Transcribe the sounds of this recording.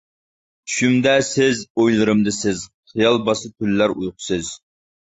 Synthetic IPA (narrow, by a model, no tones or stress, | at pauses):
ʃymd̪ɛsɪzojlˠɨɾɨmd̪ɨsɪz̥χijɑlˠbɑsɨt̪ʰylːæɾujqʰʊ̥sɨz̥